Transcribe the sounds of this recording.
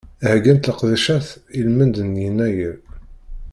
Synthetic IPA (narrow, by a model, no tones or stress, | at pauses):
hæɡænt̪ləqðæʃæθilmənd̪ənjənːæjəɾ